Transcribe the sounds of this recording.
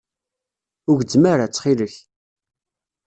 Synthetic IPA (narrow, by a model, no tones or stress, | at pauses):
ʊʝd͡zmaɾat͡sːχiləç